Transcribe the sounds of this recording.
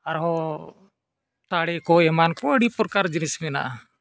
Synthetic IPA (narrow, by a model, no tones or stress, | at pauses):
aɾɦɔ | t̪aɽɛkɔɛmankɔəɽipɾkaɾd͡ʒinismɛna̰ʔa